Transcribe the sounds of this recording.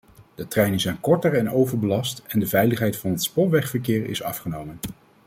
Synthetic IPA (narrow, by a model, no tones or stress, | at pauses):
d̥ətrɛjnənzɛjnkɔɹtəɹɛnowvəɹbəlɑstɛndəvɛjləχɦɛjtfɑnɦətspɔʋɛχfəɹkɪːɹɪ̰sɑ̰fχənowmən